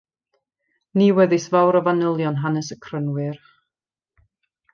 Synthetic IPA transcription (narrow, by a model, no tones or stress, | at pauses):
niːwɛðɨsvawɾəvanəlˠjɔnɦanəsəkʰrənwɨr